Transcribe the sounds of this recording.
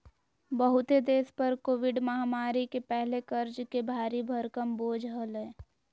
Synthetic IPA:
bəɦʊt̪ed̪eːspəɾkoːʋɪɖməɦaːmaːɾikepɛɦlekəɾd͡ʒkebʱaːɾibʱəɾkəmboːd͡ʒʱɦəlẽː

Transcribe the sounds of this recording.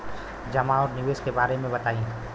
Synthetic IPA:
d͡ʒɐmaɔːɾnɪʋeːskebaːɾemẽbɐt̪aːĩː

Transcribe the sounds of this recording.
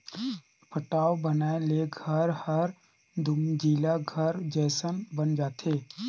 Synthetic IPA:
pʰəʈaːwbənaːeleɡʱəɾhəɾ | d̪ʱʊmd͡ʒiːlaɡʱəɾd͡ʒɛːsənbənd͡ʒaːt̪ʰeː

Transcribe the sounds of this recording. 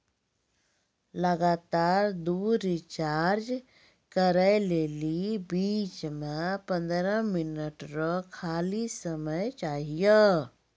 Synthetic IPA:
ləɡat̪aːɾd̪uɾit͡ʃaɾd͡ʒ | kəɾəlelibiːt͡ʃmãpə̃nd̪ɾəminəʈɾɔkʰaːlisəməjt͡ʃaːɦijə

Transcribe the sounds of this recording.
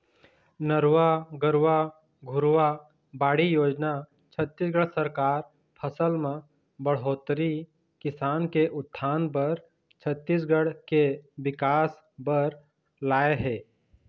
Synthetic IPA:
nəɾwaɡəɾʋa | ɡʱʊɾʋa | baːɽijoːd͡ʒna | t͡ʃʰət̪ːisɡəɽsəɾkaːɾ | pʰəsəlmẽ | bəɽ̤oːt̪ɾi | kɪsaːnkeʔʊt̪ʰːaːnpəɾ | t͡ʃʰət̪ːis̬ɡəɽ̤keʋɪkaːs | bəɾ | laːeɦɛː

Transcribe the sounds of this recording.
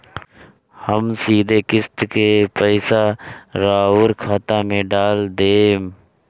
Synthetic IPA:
həmsiːd̪ʱeːkɪst̪kepəɪsaɾaːʊɾkʰaːt̪ãːmẽɖaːld̪eːm

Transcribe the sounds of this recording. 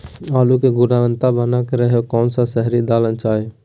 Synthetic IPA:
aːlukeɡʊɾaːʋənt̪abənakeɾəɦjokɔːnsãsəɦɾid̪aːlənt͡ʃaːe

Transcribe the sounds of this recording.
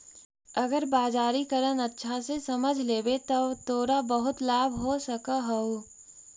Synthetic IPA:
ɐɡəɾbaːzaːɾikəɾənɐtːʃʰasesɐməd͡ʒʱleːbet̪ɐt̪oːɾabɐɦʊt̪laːbʱɦosɐkaɦoo

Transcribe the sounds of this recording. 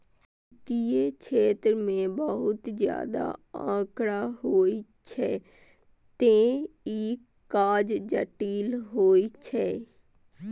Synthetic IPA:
t̪ijet͡ʃʰeːt̪ɾmẽbəɦʊt̪zja̰ːd̪a̰ã̰ːkɽaɦoːit͡ʃʰɛː | t̪ẽiː | kaːd͡ʒd͡ʒəʈiːlɦoːit͡ʃʰɛː

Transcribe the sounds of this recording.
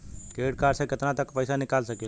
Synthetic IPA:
keɽkaɾsə̃ket̪nat̪əkpəjsanikalsəkel

